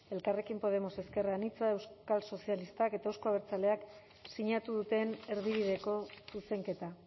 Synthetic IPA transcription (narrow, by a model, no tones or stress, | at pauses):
e̞lkare̞kimpo̞ð̞e̞mo̞se̞ske̞rɣanit͡sae̞wskalso̞sialist̪ake̞t̪aewsko̞aβ̞eɾt͡sale̞ak | siɲat̪uðut̪e̞ne̞ɾβiβ̞ið̞e̞ko̞suse̞ŋke̞t̪a